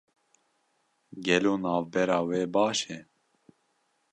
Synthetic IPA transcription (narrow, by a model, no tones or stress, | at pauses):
ɡɛloːnɑːvbɛɾɑːweːbɑːʃɛ